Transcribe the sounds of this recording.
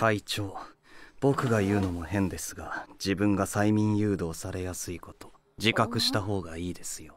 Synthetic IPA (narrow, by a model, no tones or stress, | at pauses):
kait͡ɕo̞ː | b̥o̞kɯ̟ɡajɯ̟ːno̞mo̞hẽ̞nd̪e̞sɨɡad͡ʑibɯ̟̃ŋɡasaimʲĩɰ̃jɯ̟ːd̪o̞ːsaɾe̞jasɨiko̞t̪o̞̥ | d͡ʑikakɯ̟ɕi̥t̪aɦo̞ːɡaiːd̪e̞sɨ̥jo̞